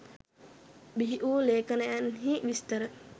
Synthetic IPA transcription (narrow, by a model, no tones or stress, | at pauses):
biɦiʔuːleːkənəjanɦiʋist̪əɾə